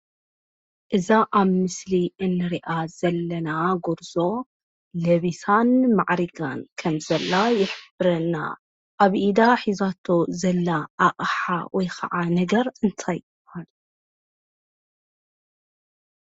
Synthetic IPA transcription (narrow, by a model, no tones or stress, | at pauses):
ʔɨzaʔaβmɨsliʔɨnːɨɾiʔaz̥ɐlːɐnaɡoɾzo̞ | lɐβisʰanmaʕɾiɡankʰɐmzɐlːajɪħbɨɾɐnːa̰ | ʔaβʔid̪aħizat̪ʰo̞zɐlːaʔːʔʼħa̰wɔjxɐ̰ʕanɐɡɐɾɨnt̪ʰajbhal